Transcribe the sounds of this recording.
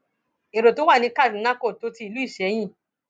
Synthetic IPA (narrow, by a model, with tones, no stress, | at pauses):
e˨ɾo˨to˨˦wa˦˨nĩ˧ka˦˨dĩ˨˦nã˦ko˦˨to˨˧ti˧˦i˨lu˦i˦˨ʃɛ˨˦j̃ĩ˦˨